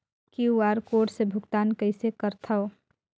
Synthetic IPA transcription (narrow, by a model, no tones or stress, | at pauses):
kiuaːɾkoːʈsebʱʊkt̪aːnkəɪsekəɾt̪ʰɐ